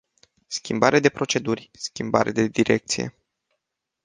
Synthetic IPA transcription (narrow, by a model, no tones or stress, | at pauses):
skʲimbaɾed̪e̞pɾo̞t͡ʃe̞d̪urʲskʲimba̰ɾed̪e̞d̪iɾʔe̞k̚t̪sije̞̰